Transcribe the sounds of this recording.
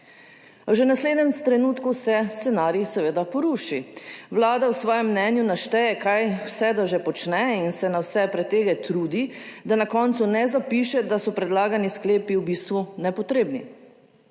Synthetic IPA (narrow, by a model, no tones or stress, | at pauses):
wʒenasleːd̪nɛmst̪ɾɛnuːt̪kusɛst̪ɛnaːɾjisɛʋeːd̪apɔɾuːʃiwlaːd̪awsʋɔːjɛmːnɛnjunaʃt̪ɛjɛkajwsɛd̪ɔʒepɔt͡ʃnɛinsɛnawsɛpɾɛt̪ːeːɡɛt̪ɾuːd̪id̪anakɔnt̪sunɛzapiːʃɛd̪asɔpɾɛd̪laːɡaniskleːpiwbiːst̪ʋunɛpɔt̪ɾeːbni